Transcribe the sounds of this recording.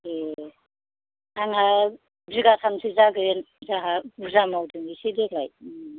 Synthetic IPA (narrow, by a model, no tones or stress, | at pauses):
e | aŋa | bziɡasʰamsʰizaɡɯen | zaɦauzamawdɯŋisidekʰlaj